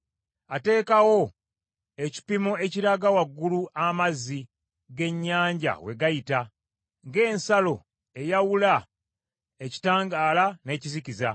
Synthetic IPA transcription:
ate̞ːkawo̞ | e̞ci̥pimoe̞ciɾaɡawaɡːuluamazːi | ɡe̞ɲːaːɲɟa̰we̞̰ɡajita | ŋɡe̞ːnsalo̞ | e̞jawula | e̞ci̥taːŋɡaːlane̞ːciziciza

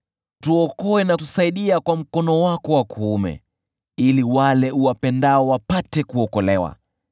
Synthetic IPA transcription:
tuɔkɔɛnatusaiɗiakwam̩kɔnɔwakɔwakʰuumɛ̰ | iliwalɛuwapɛndaɔwapatɛkuɔkɔlɛwa̰

